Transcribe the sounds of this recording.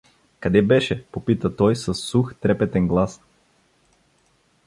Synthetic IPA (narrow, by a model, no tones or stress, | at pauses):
kɐd̪ɛbɛʃɛpopit̪ət̪ɔjsɐsːuxt̪ɾɛpɛt̪ɛnɡlˠas